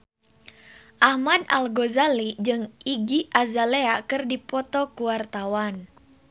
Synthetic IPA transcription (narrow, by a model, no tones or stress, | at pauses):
ʔahmada̰lɡozalid͡ʒɨŋiɡiʔazaleakɨrdipɔt̪ɔkuwart̪awan